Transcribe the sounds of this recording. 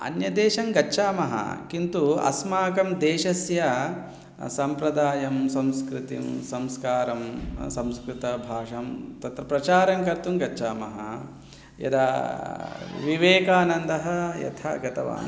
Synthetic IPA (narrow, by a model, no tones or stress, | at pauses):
ɐ̰njɐd̪eːʃɐŋɡɐːʃaːmɐɦɐ̰kint̪uɐ̰smaːkɐmd̪eːʃɐsjɐ | sɐmpɾɐd̪aːjɐmsɐ̃mskɾit̪ḭmsɐmskaːɾɐmsɐ̃mskɾɪt̪ɐbʱaːʂɐmt̪ɐt̪ɾɐpɾɐt͡ʃaːɾɐŋkɐɾt̪umɡɐt͡ʃːt͡ʃaːmɐɦɐ | jɐ̰d̪a | ʋiʋeːkaːnɐnd̪ɐɦɐ̆jɐ̰t̪ʰɐ̰ɡɐt̪ɐʋa̰ːn